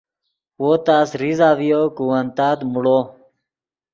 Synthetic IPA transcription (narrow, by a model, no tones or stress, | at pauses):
woːt̪aːsɾizaːʋijoːkuənt̪aːt̪muɽoː